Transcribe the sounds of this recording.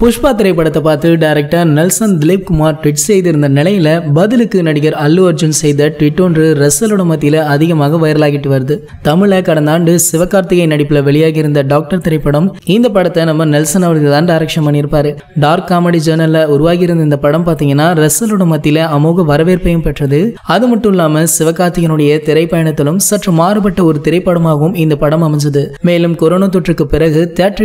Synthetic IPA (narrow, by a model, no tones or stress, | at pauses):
pʊʂpaːt̪ːɪɾɐɪpːɐɽɐt̪ːɐpaːɾt̪ɯɖɐɪɾɛk̚ʈaːnɛlsɐnd̪ɪlɪp̚kʊmaːɾʈɪʈsɛjðɪɾɯnd̪ɐnɪlɐjɪlɐbɐðɪlɯkːɯnɐɽɪɣɐɾɐlːɯɐɾd͡ʒɯnsɛjðɐʈɪʈːondrɯɾɛsːɐlɯɽɐmɐt̪̬ːɪjɪlɐɐðɪɣɐmaːɣɐʋɐjɐɾɐlaːɣɪʈːɯʋɐɾɯðɯ | t̪ɐmɪɭɐkɐɽɐnd̪aːɳɖɯsɪʋɐkːaːɾt̪ɪɣɐɪnɐɽɪpːɪlɐʋɛɭɪjaːɣɪɾɯnd̪ɐɖaːk̚ʈɐɾt̪ɪɾɐɪpːɐɽɐmɪnd̪ɐpɐɽɐt̪ːɐnɐmːɐnɛlsɐnɐʋɐɾɣɯt̪aːnɖaːɾɐkʂɐmbɐnːɪɾɯpːaːɾɯ | ɖaːɾkːaːmɐɽid͡ʒɐːnɐlɐʊɾʊʋaːɣɪɾɯnd̪ɐɪnd̪ɐpɐɽɐmpaːɾt̪iːŋɡɐnːaːɾɛsɐlɯɽɐmɐt̪ːɪleɐmuːɣɐʋɐɾɐʋeːɾpɐjɐmpɛʈrɐðɯɐðɯmɐʈːɯmɪlːaːmɐsɪʋɐkːaːɾt̪ɪɣɐnɯɽɐjɐt̪ɪɾɐɪpːɐjɐɳɐt̪ːɪlɯmsɐʈrɐmaːɾɯpɐʈːɐɔɾɯt̪ɪɾɐɪpːɐɽɐmaːɣɐʋɯmɪnd̪ɐpɐɽɐmɐmɐɲd͡ʒɐðɯmeːlɯmkɔɾoːnat̪̬ːɔʈrɯkːɯpɪɾɐɣɯt̪ɛɐʈ